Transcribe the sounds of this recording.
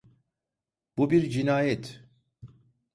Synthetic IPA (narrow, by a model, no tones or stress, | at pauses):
b̥ubiɾd͡ʒinaːjɛt̪